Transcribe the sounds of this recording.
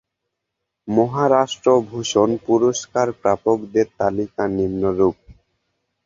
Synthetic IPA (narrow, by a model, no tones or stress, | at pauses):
mɔɦaɾaʃʈɾobʱuʃonpuɾoʃkaɾpɾapokd̪eɾt̪alikanimnoɾup̚